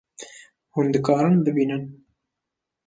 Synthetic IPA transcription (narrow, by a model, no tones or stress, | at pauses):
hund̪ɨkɑːɾɨnbɨbiːnɨn